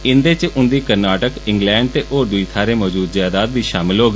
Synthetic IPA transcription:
ɪnd̪eːt͡ʃʔʊnd̪iːkəɾnaːʈəkɪŋɡlɛ̃ːɳɖ̚t̪eːʔoːd̪ʊiːt̪ʰaːɾeːmɔːd͡ʒuːd̪zjaːd̪aːd̪ʋiːʃaːmɪlɦoːɡː

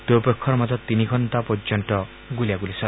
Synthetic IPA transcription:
d̪opekʰːɔɾɔmat̪ɔt̪iniɡʱɔnt̪apɔd͡ʒɔɳʈɔ | ɡulijaɡulisɔ

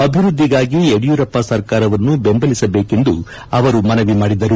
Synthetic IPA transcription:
ɐbʱiɾud̪ʱːiɡaːɡieɽijuɾɐpːasɐɾkaːɾɐʋɐnːubembɐlisɐbe̞ːke̞nd̪u | ɐʋɐɾumɐnɐʋimaːɽid̪ɐɾu

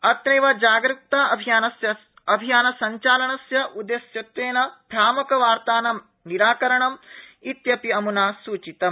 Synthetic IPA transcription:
ɐt̪nɐjʋɐd͡ʒaːɡɾuk̚t̪aːɐbʱijaːnɐsjɐ | ɐbʱijaːnɐsɐɲt͡ʃaːlɐɳɐsjɐʔud̪esjɐt̪ʋeːnɐb̪ʱjaːmɐkɐʋaːɾt̪aːnɐ | niɾaːkɐɾɐɳɐmit̪jɐpiɐmunaːsuːt͡ʃit̪ɐm

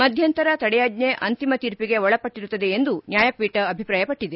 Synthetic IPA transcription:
mɐd̪ʱjɐnt̪ɐɾɐt̪ɐɽɛjaːɡneʔɐnt̪imɐt̪iːɾpiɡe̞ɔɭɐpɐʈːiɾut̪ːɐd̪e̞ːnd̪unjaːjɐpiːʈɐːbʱipɾaːjɐpɐʈːid̪e

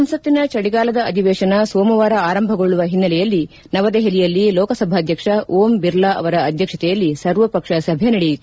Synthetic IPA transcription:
ɐmsɐt̪ːinɐt͡ʃɐɽiɡaːlɐd̪ɐɐd̪ʱiʋɛːʃɐnɐsoːmɐʋaːɾɐaːɾɐmbʱɐɡoɭːuʋɐɦinːɐlɛjɐlːi | nɐʋɐd̪eɦelijɐlːilɔːkɐsɐbʱaːd̪ʱjɐkʂɐʔoːmbiɾlaʔɐ̰ʋɐɾɐːd̪ʱjɐkʂɐt̪ɛjɐlːisɐɾʋɐpɐkʂɐsɐbʱjɐnɐɽi

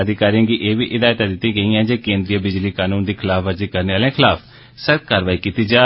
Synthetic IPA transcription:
əd̪ɪkaːɾijãːɡiʔeːʋiːʔɪd̪aːjt̪ad̪ɪt̪ːiːɡəiːɛ̃ːd͡ʒeːkẽːnd̪ɾijəbɪd͡ʒliːkaːnuːnd̪iːkʰɪlaːfʰəɾziːkəɾneːaːlẽːkʰɪlaːpʰ | səkkaːɾəʋaːiːkiːt̪iːd͡ʒaː

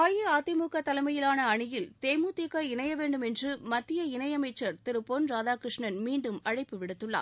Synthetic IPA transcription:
aːjɯaːt̪ɪmuːkɐt̪ːɐlɐmɐjɪlaːnɐɐɳɪjɪlt̪eːmuːt̪ikːɐɪɳɐjɐʋeːɳɖɯmɛndrɯmɐt̪ːɪjɐɪnɐjɐmɐɪt͡ʃːɐɾt̪ɪɾɯpːoːnɾaːðaːkɾɪʂɳɐnmiːɳɖɯmɐɻɐɪpːɯʋɪɽɯt̪ːɯɭːa̰ː

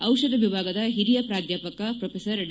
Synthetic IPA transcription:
ɐwʃɐd̪ɐʋibʱaːɡɐd̪ɐɦiɾijɐpɾaːd̪ʱjaːpɐkɐpɾopʰesɐɾɖ

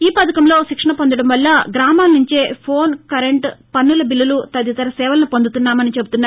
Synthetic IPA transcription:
iːpɐt̪ɐkɐmlo̞ːʃikʂɐɳɐpo̞nd̪ɐɽɐmʋɐlːɐɡɾaːmaːlnːuɲt͡ʃe̞ːpʰo̞ːnkɐɾeɳʈpɐnːulɐbilːɐlut̪ɐd̪jɐt̪ɐɾɐsɛːʋɐlɐnupond̪ut̪unːaːmɐnit͡ʃebut̪unːaː

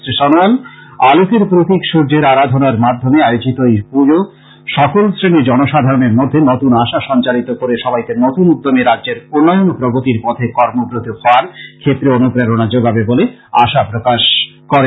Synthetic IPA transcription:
sɾʃɔnoanalupeɾpɾot̪ikʃuɾd͡ʑeɾaɾad̪ʱonaɾmad̪ʱːomeajod͡ʑit̪oipud͡ʑo | ʃɔkolsɾenid͡ʑɔnoʃad̪ʱaɾoneɾmod̪ʱːenot̪unaʃaʃɔnt͡ɕaɾit̪okoɾeʃɔbajk̪enot̪unud̪ʱːomeɾadːd͡ʑeɾonːɔjonpɾoɡot̪iɾpɔt̪ʰekɔɾmobɾod̪ohɔoaɾkʰet̪ːɾeonupɾeɾonad͡ʑoɡʱabeboleaʃapɾokaʃ | kɔɾe

